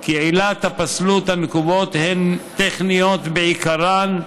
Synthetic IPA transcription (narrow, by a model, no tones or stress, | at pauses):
kiʕilat̪hapaslut̪hanekubo̞t̪hent̪eχnijot̪beikaɾan